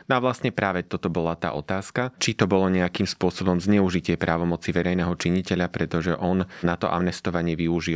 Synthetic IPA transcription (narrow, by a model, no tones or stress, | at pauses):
nɔaʋlast̪ɲɛpɾaːʋɛt̪ɔt̪ɔbɔlat̪a̰ːʔɔt̪aːskat͡ʃit̪ɔbɔlɔɲɛakiːmspʊɔsɔbɔmzɲɛuʒicɪɛpɾʔaːʋɔmɔt͡siʋɛɾɛjnɛːɦɔt͡ʃiɲicɛʎapɾɛt̪ɔʒɛʔɔnnat̪ɔ̰ʔa̰mnɛst̪ɔʋaɲɪɛʋiuʒi